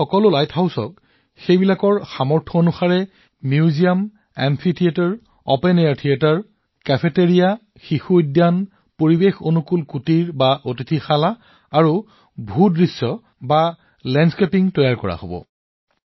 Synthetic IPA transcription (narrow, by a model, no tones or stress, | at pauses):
xɔkɔlʊlajtʰhawsɔ̰k | xejbilakɔɹxamɔɹtʰɔonuxaɹɛ | mjiuzijam | ɛmpʰitʰiataɹ | ɔpenejaɹtʰiataɹ | kɛpʰeteɹija | xixudjan | poɹibexonukulkutiɹbaʔotitʰixalaː | ɹu | bʱudɹisːɔ | ba | lɛnskepiŋtɔjaɹkɔɹa̰hobɔ̰